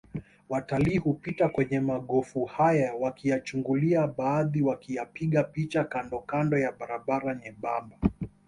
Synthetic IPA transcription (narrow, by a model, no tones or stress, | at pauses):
wataliːhupitakwɛɲɛmaɠɔfuhajawakijat͡ʃuŋɡuliaɓaːðiwakijapiɠapit͡ʃakandɔkandɔjaɓaɾaɓaɾaɲɛɓamba